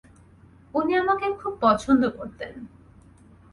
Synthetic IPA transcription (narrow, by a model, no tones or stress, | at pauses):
uniamakekʰub̚pɔt͡ɕʰond̪okoɾt̪en